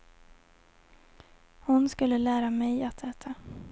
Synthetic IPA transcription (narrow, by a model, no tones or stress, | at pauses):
hʊnskɵlːəlæːɾamɛjat̪ʰɛːt̪ʰa